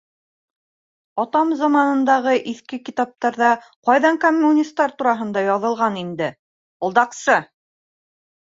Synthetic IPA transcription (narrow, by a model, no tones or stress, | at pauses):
ɒt̪ɑmzɑmɑnɤ̆nd̪ɑʁɤʔiθkɘkit̪ɑp̚t̪ɑɾðɑ | qɑjðɑŋkomʲːunʲist̪ːɑɾt̪uɾɑɦɤ̆nd̪ɑjɑðɤ̆lˠʁɑnind̪ɘ | ŏlˠd̪ɑqsɤ